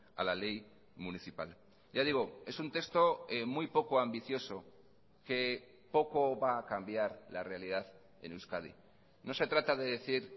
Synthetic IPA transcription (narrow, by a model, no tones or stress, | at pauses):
a̰lale̞j | muniθipa̰l | ʝaðiɣ̞oe̞sunt̪e̞kst̪o̞mujpo̞koambiθjo̞so̞ | ke̞ | po̞ko̞βaːkambjaɾlare̞aliðað | e̞̰newskað̞ḭ | no̞se̞t̪ɾat̪að̞e̞ð̞e̞θiɾ